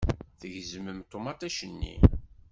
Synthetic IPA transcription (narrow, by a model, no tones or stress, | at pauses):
θəʝzəməmt̪ˤomɑt̪æʃənːḭ